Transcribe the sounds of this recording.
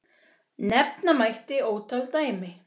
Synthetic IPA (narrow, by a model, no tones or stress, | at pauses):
nɛp̚namajht̪ɪoːwt̪ʰalt̪aːjmɪ